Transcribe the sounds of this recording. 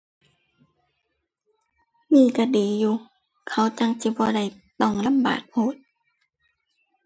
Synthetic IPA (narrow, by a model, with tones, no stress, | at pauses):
miː˧˨ka˧˩diː˨˩juː˧˦ | kʰa˧˩˨wt͡ɕa˧˨ŋsi˧˦bɔː˧˦da˧˩j | t̪ɔ˧˩ŋla˧˥˨mba̰ː˨˩t̪̚moː˧˨t̪̚